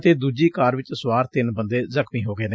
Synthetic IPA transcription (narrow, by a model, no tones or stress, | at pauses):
t̪eːd̪uːd͡ʒiːkaːɾʋɪt͡ʃsʊwaːɾt̪ɪnbənd̪eːzəkʰmiːɦoːɡeːneː